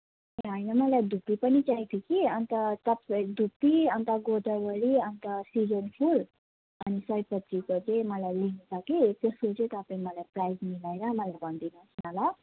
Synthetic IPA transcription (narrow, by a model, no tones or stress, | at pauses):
eɦʌjnʌmʌlajd̪ʱupːipʌnit͡saĩt̪ʰokiʌnt̪ʌt̪ʌpd̪ʱupːiʌnt̪aɡod̪ʌɡʌɭiʌnt̪ʌsid͡zʌnpʰul | ʌnisʌjpʌt̪ːikot͡seĩmʌlajlinusʰʌkit̪eskot͡sʌĩt̪ʌpaĩmʌlajprajzmilaeɾʌmʌlajbʱʌnd̪inʌsmala